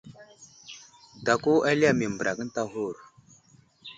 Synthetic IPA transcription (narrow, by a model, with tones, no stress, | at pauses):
ta˨ku˦a˦li˦a˦˨mi˨m˨bə˨ɾa˨kə˦n˦ta˦ɦu˦˨ɾ